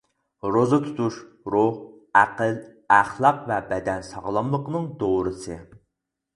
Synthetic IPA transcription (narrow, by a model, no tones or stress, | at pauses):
ɾozɨt̪ʰu̥t̪ʰuʃ | ɾʊh | æqəl | æχlˠɑqvɛbɛd̪ɛnsɑʁlˠɑmlˠəqənɨŋd̪oɾɨsɨ